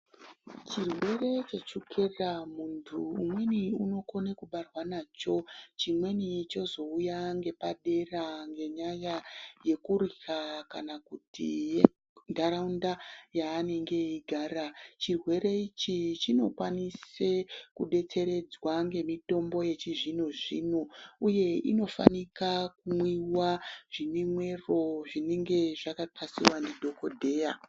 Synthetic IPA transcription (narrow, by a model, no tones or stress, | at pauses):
t͡ʃirwe̞re̞t͡ʃet͡ʃukʰeramuntʰuːmwe̞niuno̞ko̞nekuɓarwanaːt͡ʃo̞t͡ʃimwe̞nit͡ʃo̞zo̞ujaŋɡe̞paɗe̞raŋɡe̞ɲajaje̞kuɾixakanakutḭje | ndaɾaundajaːne̞ŋɡe̞iɡʱaːɾat͡ʃirwe̞ɾe̞it͡ʃit͡ʃino̞kwanisekuɗe̞t͡se̞ɾe̞d͡zwaŋɡe̞mito̞mbo̞je̞t͡ʃiʐinoʐḭnouje̞ino̞fa̰nikak̚umwiwaʐ̥inemwe̞ro̞ʐineŋɡe̞ʐakatʰasḭwandedʱo̞ko̞dʱe̞ːja